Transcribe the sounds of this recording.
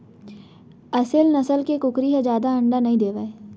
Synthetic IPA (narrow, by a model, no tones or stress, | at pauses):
ɐsɪlnɐsəlkekʊkɾiɦɛ̃d͡ʒjaːd̪aɐ̃ɳɖanɐɦĩd̪eːʋae